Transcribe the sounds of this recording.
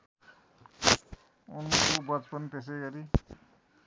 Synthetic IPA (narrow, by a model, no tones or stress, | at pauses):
unmakubʌt͡spʌnit̪es̬eɡʌɾi